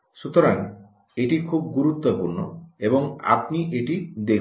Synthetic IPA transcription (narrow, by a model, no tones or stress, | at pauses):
ʃut̪ɔɾaŋ | eʈikʰub̚ɡuɾut̪ːopuɾnoeboŋa̰pniʔeʈid̪ek